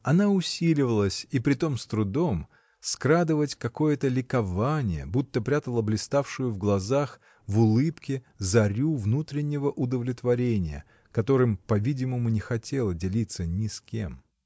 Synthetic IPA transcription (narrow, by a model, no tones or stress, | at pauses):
ɐnaʊsʲilʲɪvəlˠəsʲipɾʲɪt̪o̞mst̪ɾʊd̪o̞m | skɾad̪ɨvətʲkɐko̞jət̪əlʲɪkɐvanʲɪjə̰but̪ːəpɾʲat̪əlˠəblʲɪst̪afʂɨjʊvɡlˠɐzax | vʊlˠɨpkʲɪ | zɐɾʲuvnut̪ɾʲɪnʲːɪvəʔʊd̪əvlʲɪt̪vɐɾʲenʲɪjə̰ | kɐt̪o̞ɾɨmpɐvʲidʲɪməmʊnʲɪxɐtʲe̞lˠədʲɪlʲit̪sənʲɪskʲe̞̰m